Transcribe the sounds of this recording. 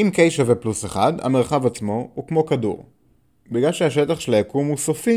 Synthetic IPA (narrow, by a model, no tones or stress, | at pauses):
imkejʃavepluseχadha̰meʁχavat͡smo̞hukmo̞kadṵʁ | biɡlalʃeaʃetaχʃelajakumusofi